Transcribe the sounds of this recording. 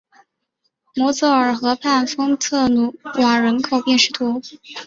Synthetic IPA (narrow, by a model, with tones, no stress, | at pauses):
mwɔ˧˥t͡s̩˥˩ə˞˨˩xɤ˧˥pʰa˥˩nfɤ˥ŋt͡sʰɤ˥˩nu˨˩wa˨˩ɻə˧˥nkʰo˨˩ʊpjɛ˥˧nʂɻ̩˥˩t̪ʰu˧˥